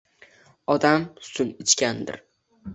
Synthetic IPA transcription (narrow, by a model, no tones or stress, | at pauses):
ɒd̪amsʊŋɪt͡ʃkʲand̪ɪ̰ɾ